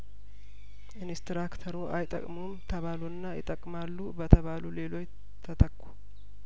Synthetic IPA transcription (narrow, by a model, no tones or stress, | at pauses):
ɨnest̪ɾakt̪ʰəɾoʔajt̪ʼə̰kʼmumt̪ʰəβalunːajɪ̰t̪ʼəkʼmalːubət̪ʰəβalule̞lo̞t͡ʃ | t̪ʰət̪ʰəkʼːu̥